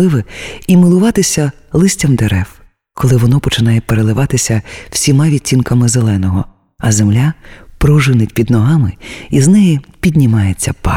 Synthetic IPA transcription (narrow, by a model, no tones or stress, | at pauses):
ɪʋɪimɪlˠʊʋɑt̪ɪsʲɐ | lˠɪsʲtʲɐmd̪eɾɛw | kɔlˠɪʋɔnɔpɔt͡ʃɪnɑjɛpeɾelˠɪʋɑt̪ɪsʲɐw̥sʲimɑʋʲit͡sʲːinkɐmɪzelˠɛnɔɦɔ | ɐzemlʲapɾɔʒɪnɪtʲpʲid̪nɔɦɑmɪiznɛjipʲidʲnʲimɑjet͡sʲːɐpɑ̰